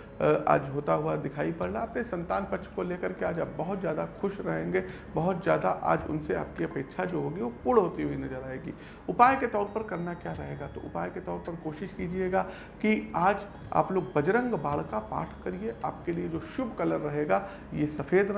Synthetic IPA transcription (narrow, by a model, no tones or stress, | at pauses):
a̰ːd͡ʒɦoːt̪aɦuad̪ɪkʰaːipɐɽlaɐpnesɐ̃nt̪aːnpɐtːt͡ʃʰkoleːkəɾkeaːd͡ʒaːp̚bɐɦʊt̪zjaːd̪axʊʃɾɐɦẽːŋɡeː | bɐɦʊt̪zjaːd̪aʔa̰ːd͡ʒʊ̰nsea̰ːp̚kiɐpeːkʃʰad͡ʒoːɦoːɡiʋopʊɽɦoːt̪iɦuinɐzəɾaːeːɡḭː | ʊpaːjket̪ɔːɾpɐɾkɐɾnakjaːɾɐɦeːɡat̪o̰ʔʊpaːjket̪ɔːɾpɐɾkoːʃɪʃkiːd͡ʒieːɡaː | kiaːd͡ʒ | a̰ːploːɡbɐd͡ʒɾə̃ŋɡbaːɭkapa̰ːʈʰkɐɾieʔa̰ːp̚kelied͡ʒoːʃʊbʱkɐləɾːɐɦeːɡa | jesɐfeːd̪ɾ